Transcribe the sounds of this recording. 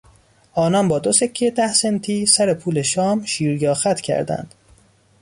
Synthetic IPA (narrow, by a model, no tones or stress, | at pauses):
ʔɒːnɒnbɒːd̪osecʰːed̪æhsent̪ʰiːsæɾe̞pʰuːle̞ʃɒːmʃiːɾjɒːxæt̪ʰcʰæ̰ɾd̪æ̰nd̪̥